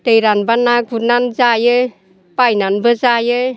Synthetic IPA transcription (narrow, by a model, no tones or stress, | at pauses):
t̪ejɾanbanːak̚but̚nanzajə | pajnanbəzajə